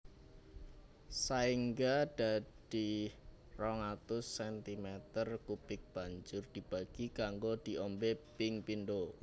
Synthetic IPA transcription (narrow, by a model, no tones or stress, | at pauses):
saiŋɡad̥a̤d̥i | rɔŋat̪ʊsːɛnt̪imɛt̪ərkupɪk̚b̥a̤ɲd͡ʒʊrd̪̥i̤b̥a̤ɡ̥ikaŋɡod̪̥i̤ʔɔmbepɪŋpinɖo